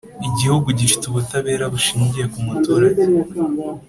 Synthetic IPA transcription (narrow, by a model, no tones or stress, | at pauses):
iɟihuɡuɟifi̥tuβutaβe̞ːɾaβuʃiːɲɟije̞kumatoːɾaɲe